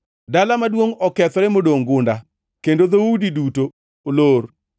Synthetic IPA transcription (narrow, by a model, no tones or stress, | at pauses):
dalamadwoŋɔkɛt̪ɔɾɛmodoŋɡʊnda | kendoðaudidutoː | lor